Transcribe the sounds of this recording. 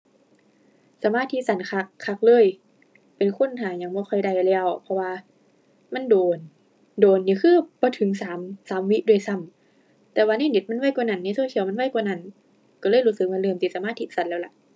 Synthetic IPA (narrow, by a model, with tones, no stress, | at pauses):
sa˨˧˦maː˧˥˨t̪ʰːi˧˥sa˨˦nkʰa˧˩kʰːa˧˥k̚lɤː˧˥˨j | pe˨˩nkʰo˧˥˨nt̪ʰaː˨˩ɲa˧ŋbɔː˧˦kʰɔ˧˩jda˧˩jlɛː˧˨wpʰɔ˧waː˧ | ma˧˥˨ndoː˨˩n | doː˨nːiː˧kʰɯː˧˥˩bɔː˧˦t̪ʰɯ˨˦ŋsaː˨˦msaː˨˦mwi˧˥ʔdu˧˩ə˨jsa˧˩˨m | t̪ɛː˨˧˦waː˧naː˧˥˨ni˧˦t̪̚ma˧˥˨nwa˧˥˩jkwaː˧˨na˧˩nː˧˥˨su˧˥˨kʰi˧˦wma˧˥˨nwa˧˥˨jkwaː˧˨na˧˥˩n | kɔ˧lɤː˧˨jhuː˧˥˩sɯ˨˦k̚maː˧˥˨lɯː˧˨msi˧˩sa˨˧˦maː˧˥˩t̪ʰi˧sa˨˦nlɛː˧˩la˧˩ʔ